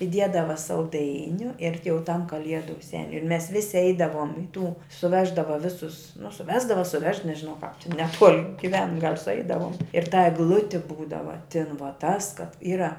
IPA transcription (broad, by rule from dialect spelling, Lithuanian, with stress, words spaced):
ɪˈdʲiɛdɐʋɐ sɐlˠˈdɐɪnʲʊ ɪr tʲɪ jɛʊ tɐm kɐˈlʲiɛdʊ ˈsʲæːnʲʊ ɪr mʲɛs ˈʋʲɪsʲɪ ˈɛɪdɐʋuɔm ɪ tuː sʊˈʋʲæːʒdɐʋɐ ˈʋʲɪsʊs nʊ sʊˈʋʲæːzdɐʋɐ sʊˈʋʲɛʃ nʲɛʒʲɪˈnɐʊ kɑːp tʲɪn nʲɛˈtuɔlʲ ɡʲɪˈʋʲɛn ɡɐlʲ sʊˈɛɪdɐʋuɔm ɪr tɐ ɛɡˈlˠʊtʲɪ ˈbuːdɐʋɐ tʲɪn ʋɐ tɐs kɐt ˈiːrɐ